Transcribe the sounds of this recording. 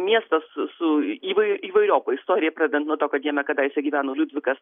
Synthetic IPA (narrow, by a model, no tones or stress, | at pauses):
mʲiɛst̪ɐssʊiːʋɐɪʊʔiːʋɐɪɾʲoːpoːɪst̪oːɾʲɪjɛpɾɑd̪ʲɛd̪ʲɛnt̪nuɔt̪oːkʲɐːd̪jiɛnɐkɐd̪ɑːjɪsʲɛɡʲiːʋʲæːnoːlʲud̪ʲʋʲɪkɐs